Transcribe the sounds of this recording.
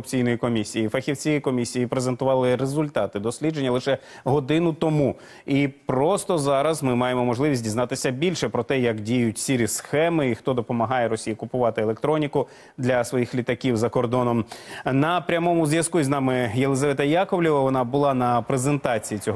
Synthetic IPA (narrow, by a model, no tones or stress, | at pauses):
pt͡sʲijnɔjikɔmʲisʲːijifɐxʲiwt͡sʲijikɔmʲisʲijipɾezent̪ʊʋɑlˠɪɾezʊlʲt̪ɑt̪ɪd̪ɔsʲlʲidd͡ʒe̞nʲːɐlˠɪʃɛ | ɦɔd̪ɪnʊt̪ɔmu | ipɾɔst̪ɔzɑɾɐzmɪmɑjemɔmɔʒlˠɪʋʲisʲt̚ʲdʲiznɑt̪ɪsʲɐbʲilʲʃɛpɾɔt̪ɛjɐkdʲijʊtʲsʲiɾʲisxɛmɪixt̪ɔd̪ɔpɔmɐɦɑjɛɾɔsʲijɐkʊpʊʋɑt̪ɪelˠekt̪ɾɔnʲikʊ | d̪lʲɐsʋɔjixlʲit̪ɐkʲiwzɐkɔrd̪ɔnɔmnɐpɾʲɐmɔmʊzʲʋjɐskuzʲnɑmɪjelˠezɐʋɛt̪ɐjɑkɔwlʲiʋɐʋɔnɑbʊlˠɑnɐpɾezent̪ɑt͡sʲijit͡sʲɔɦ